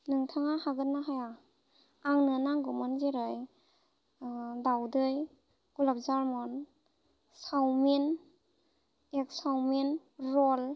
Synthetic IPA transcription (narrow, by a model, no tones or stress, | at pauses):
nɯŋtʰaŋahaɡɯtnːaɦaja | aŋnɯnaŋɡɯmɔnzeɾɯj | dawdɯj | ɡ̥ulap̚zaɾmɔn | sawmin | ek̚sawmin | ɾɔl